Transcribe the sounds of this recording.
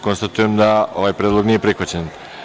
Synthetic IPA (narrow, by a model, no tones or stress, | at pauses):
konst̪at̪ujemd̪ao̞ʋajpɾʲed̪lˠo̞ɡnije̞pɾixʋat͡ɕen